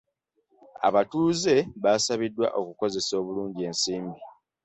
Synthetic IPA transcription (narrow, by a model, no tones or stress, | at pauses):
a̰βatuːze̞βasaβidːwa̰ʔo̞kuko̞ze̞so̞ːβuluːɲɟie̞ːnsiːmbi